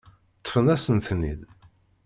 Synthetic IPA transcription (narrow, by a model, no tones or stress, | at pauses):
t̪ˤːə̥fənæsənθnḭð